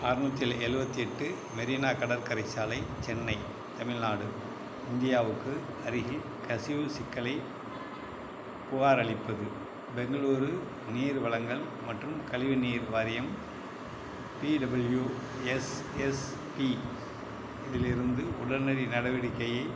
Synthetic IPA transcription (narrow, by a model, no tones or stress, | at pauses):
aːɾnut̪ːjɪlɛɾɯbɐt̪ːiɛʈːɯ | mɛɾiːnaːkɐɽɐɾkɐɾɐɪt͡ʃːaːlɐɪt͡ʃɛnːɐɪ | t̪ɐmɪɻnaːɽɯ | ɪnd̪ɪjaːʋɯkːɯ | ɐɾɪɣi | kɐsɪjʋɯsɪkːɐlɐɪ | pʊɣaːɾɐɭɪpːɯðɯ | bɛŋɡɐɭuːɾɯ | niːɾʋɐɭɐŋɡɐɭ | mɐʈrɯmkɐɭɪʋɪniːɾʋaːɾɪjɐm | piːɖɐbɐlju | ɛs | ɛs | pi | ɪðɪlɪɾɯnd̪ɯʊɽɐɾnɐɾinɐɽɐʋɪɽɪkːɐjɐɪ